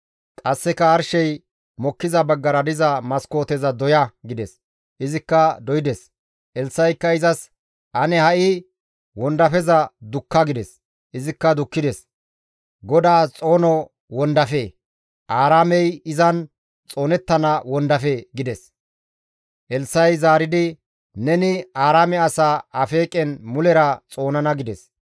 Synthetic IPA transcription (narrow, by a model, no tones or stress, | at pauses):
kʼɐsːɛkɐːɾʃɛj | mɔkːɪzɐbɐɡːɐɾɐd̪ɪzɐmɐsko̞ːt̪ɛzɐd̪ɔjɐɡɪd̪ɛs | ʔɪzɪkːɐd̪ɔjɪd̪ɛs | ʔɛlsːɐjkːɐɪzɐs | ʔɐnɛhɐʔɪ | wɔnd̪ɐfɛzɐd̪ʊkːɐɡɪd̪ɛs | ʔɪzɪkːɐd̪ʊkːɪd̪ɛs | ɡɔd̪aːt͡sʼo̞ːnɔ | wɔnd̪ɐfe | ʔaːɾaːmɛjɪzɐn | t͡sʼo̞ːnɛt̪ːɐnɐwɔnd̪ɐfɛɡɪd̪ɛs | ʔɛlsːɐjzaːɾɪd̪ɪ | nɛnɪaːɾaːmɛɐsaːɐfe̞ːkʼɛnmʊlɛɾɐt͡sʼo̞ːnɐnɐɡɪd̪ɛs